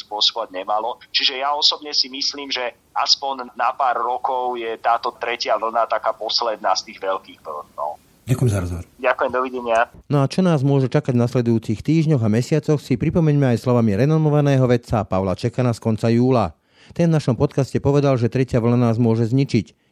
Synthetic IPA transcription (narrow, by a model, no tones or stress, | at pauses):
spʊɔsɔbɔʋaɟ̚ɲɛmalɔt͡ʃiʒɛjaɔsɔbɲɛsimisliːmʒɛ | aspɔɲnapaːɾːɔkɔʊjɛt̪aːt̪ɔt̪ɾɛcɪaʋl̩nat̪akaːpɔslɛd̪̚nast̪iːɣʋɛlkiːɣʋl̩ɔ̰ʊ | ɟakʊjɛmzaɾɔzɦɔʋɔɾɟakujɛmd̪ɔʋiɟɛɲɪanɔat͡ʃɔnaːzmʊɔʒɛt͡ʃakaɟvnaslɛd̪ujuːt͡sixt̪iːʒɲɔɣamɛsɪat͡sɔxsipɾipɔmɛɲmɛajslɔʋamiɾɛnɔmɔʋanɛːɦɔʋɛt̪t͡sapaʊlat͡ʃɛkanaːskɔnt͡sajuːla | t̪ɛnvnaʃɔmpɔt̪kascɛpɔʋɛd̪alʒɛt̪ɾɛcɪaʋl̩nanaːzmʊɔʒɛzɲit͡ʃic